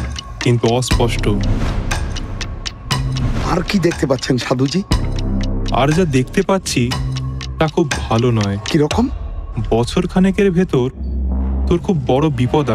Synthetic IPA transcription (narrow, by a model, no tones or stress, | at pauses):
kint̪uɔspɔʃʈo | aɾkid̪ek̚ʰt̪epat̪ːɕʰenʃad̪ʱud͡ʑi | a̰ɾd͡ʑad̪ekʰt̪epat̪ːɕʰit̪akʰubbʱalonɔekiɾɔkombɔt͡ɕʰoɾkʰanekeɾbʱet̪oɾt̪oɾkʰubːɔɽobipɔd̪a